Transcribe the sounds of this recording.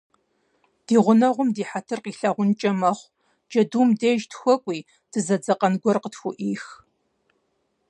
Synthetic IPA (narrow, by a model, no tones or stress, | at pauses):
d̥iːʁʷʊnɐʁʷʊmdiːħatʰɨrqiːɬaːʁʷʊnt͡ʃʼɐmɐχʷ | d͡ʒɐduːmdeːʒtʰxʷɔkʷʼiː | d̥ɨzɐd͡zɐqʼɐnɡʷɔrqətxʷʊʔiːx